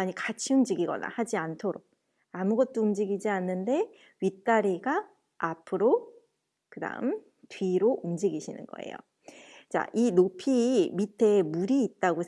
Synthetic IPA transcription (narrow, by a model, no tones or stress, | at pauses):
aɲikat͡ɕʰiumd͡ʑiɡiɡʌ̰na̰had͡ʑiantʰoɾoɡ̚ | amuɡʌt̚t͈oumd͡ʑiɡid͡ʑianːɯnde̞ | ɥit͈aɾiɡa | apʰɯɾo | kɯda̰ɯm | tɥiɾoʔumd͡ʑiɡiɕʰinɯ̰nɡʌ̰ḛjo̰ | t͡ɕa̰ʔinopʰimitʰe̞ːmuɾiːt̚t͈aɡos